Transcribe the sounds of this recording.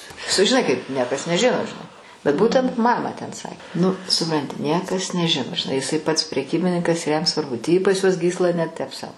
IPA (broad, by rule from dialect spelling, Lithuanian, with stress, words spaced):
sʊʒʲɪˈnɐɪ kɐɪp ˈnʲiɛkɐs nʲɛˈʒʲɪnoː ʒʲɪˈnɐɪ bʲɛt ˈbuːtʲɛnt ˈmɑːmɑː tʲɛn ˈsɐ nʊ sʊˈprɐnʲtʲɪ ˈnʲiɛkɐs nʲɛˈʒʲɪnoː ʒʲɪˈnɐɪ jɪˈsɐɪ pɐts pʲrʲɛˈkʲiːbʲɪnʲɪŋkɐs ɪr jɛm sʋɐrˈbʊ tʲiː pɐs juɔs ˈɡʲiːslˠɐ nʲɛ tʲɛp sɐʊ